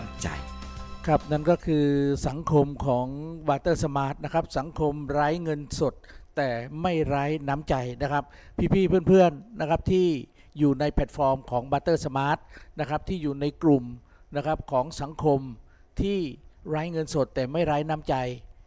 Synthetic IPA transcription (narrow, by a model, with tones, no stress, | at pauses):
t͡ɕa̰˧jkʰa˦˥p̚na˥˩nkɔː˥˩kʰɯː˧sa˩˦ŋkʰo˧mkʰɔː˩˦ŋbaː˧t̪ɤː˥˩sa˧maː˦˥t̪̚na˦˥kʰa˦˥p̚sa˩˦ŋkʰo˧mɾaː˦˥jŋɤ˧nso˨˩t̪̚ːɛː˨˩ma˥˩jɾaː˦˥jna˦˥mt͡ɕa˧jna˦˥kʰa˦˥p̚pʰːiː˥˩pʰiː˥˩pʰɯ˥˩npʰɯ˥˩ənːa˦˥kʰa˦˥p̚t̪ʰiː˥˩ | juː˨˩na˧jpʰɛ˨˩t̪̚fɔː˧mkʰɔː˩˦ŋbaː˧t̪ɤː˥˩sa˧maː˦˥t̪̚na˦˥kʰɾa˦˥p̚t̪ʰiː˥˩juː˨˩na˧jklu˨˩m | na˦˥kʰa˦˥p̚kʰɔː˩˦ŋsa˩˦ŋkʰo˧m | t̪ʰiː˥˩ɾaː˦˥jŋɤ˧nso˨˩t̪ːɛː˨˩ma˥˩jɾaː˦˥jna˦˥mt͡ɕa˧j